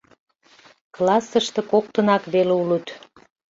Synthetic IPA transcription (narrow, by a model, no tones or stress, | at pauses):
klɑsəʃt̪e̽kok̚t̪ə̆nɑkβeleulut̪